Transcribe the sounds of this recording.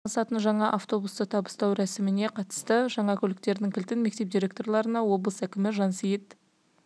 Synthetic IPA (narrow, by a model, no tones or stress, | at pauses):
sɑt̪ənʒɑɴɑʔaft̪o̞bust̪ət̪ʰɑbəst̪ɑwɾæsɪmɪne̞qʰɑt̪ə̥st̪əʒɑɴɑkʲʰɵlɪk̚t̪e̞ɾd̪ɪŋkʲɪlt̪ɪnme̞k̚t̪e̞p̚d̪ʲiɾʲe̞k̚t̪o̞rlˠɑɾənɑwo̞blˠəsækʲɪmɪʒɑnsijɪt̪